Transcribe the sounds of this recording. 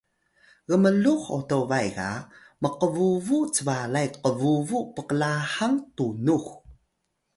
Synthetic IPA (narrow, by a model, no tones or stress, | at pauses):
ɣəməluxotovajka | məqəvuvut͡səvalajqəvuvupəkəlaħaŋtunux